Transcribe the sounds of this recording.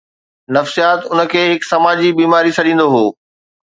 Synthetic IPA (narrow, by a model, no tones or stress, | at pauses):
nɐfsijaːt̪ʊnə̆kʰeːɦɪksɐmaːd͡ʑibiːmaːɾisʰɐɗĩːnd̪oɦoː